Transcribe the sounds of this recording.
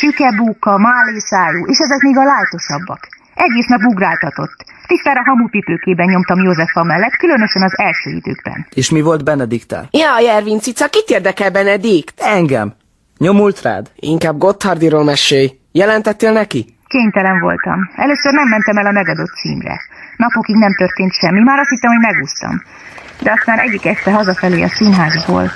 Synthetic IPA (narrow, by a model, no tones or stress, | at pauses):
ʃykɛbuːkːɒmaːleːsaːluːʔeːʃɛzɛkmeːɡɒlaːjt̪o̞ʃɒbːɒ̰k | ɛɡeːsnɛbbuɡraːlt̪ɒt̪o̞t̪ːt̪ist̪aːɾɒɦɒmupipøːkeːbɛnɲɲomt̪ɒmjoːzɛfɒmɛlːɛt̪kylønø̞ʃɛnɒzɛlʃø̰ːḭd̪ø̰ːɡ̚bɛ̰neːʃmivo̞ld̪bɛnɛd̪ikt̪ɛ̰lɛɒjɛrvint̪sit̪sɒkit̪eːrd̪ɛkɛlbɛnɛd̪ikt̪ɛŋɡɛ̰m | ɲo̞mult̪ra̰ːd̪ḭŋkaːb̚ɡo̞t̪hɒrd̪iɾoːmɛʃeːj | jɛlɛnt̪ɛt̪ːeːlnɛki | keːɲt̪ɛlɛɱvo̞̰lt̪ɒ̰mɛløːsørnɛmːɛnt̪ɛmɛlɒmɛɡɒd̪o̞t̪ːsḭːmrɛ̰nɒpokiɡnɛmt̪ørt̪eːnt̪ʃɛmːimaːɾɒst̪hit̪ːɛmho̞ɟmɛɡuːst̪ɒ̰m | d̪ɛɒst̪aːnʔɛɟːikɛʃt̪ɛɦɒzɒfɛleːɒ̰sinɦaːzbo̰ːl